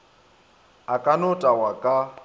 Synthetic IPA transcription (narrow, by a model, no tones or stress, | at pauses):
akʼanʊtʼawakʼa